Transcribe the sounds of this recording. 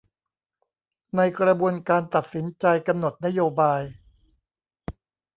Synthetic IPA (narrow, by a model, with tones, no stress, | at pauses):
na˧jkɾa˧bu˧ənkaː˧nt̪a˨˩t̪̚si˩˦nt͡ɕa˧jka˧mno˨˩t̪̚na˥joː˧baː˧j